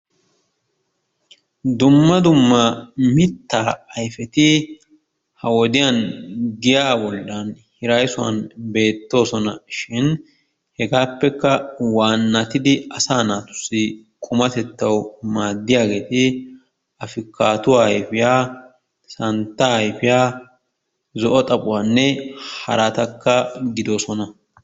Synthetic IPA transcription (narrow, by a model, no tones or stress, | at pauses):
d̪ʊmːɐd̪ʊmːɐmɪt̪ːaːɐjfɛt̪ɪ | hɐwɔd̪ɪjanɡɪjaːbɔlːɐnhɪɾɐjsʊwɐ̰nbe̞ːt̪ːo̞ːsɔnɐʃɪn | hɛɡaːpːɛkːɐwaːnːɐt̪ɪd̪ɪɐsaːnaːt̪ʊ̥sːɪ | kʼʊmɐt̪ɛt̪ːɐwmaːd̪ːɪjaːɡe̞ːt̪ɪ | ɐfɪkːaːt̪ʊwaːjfɪjaː | sɐnt̪ːaːɪfɪjaː | zɔʔɔt̪ʼɐpʼʊwaːnːɛhɐ̰ɾat̪ɐkːɐɡɪd̪oːsɔnɐ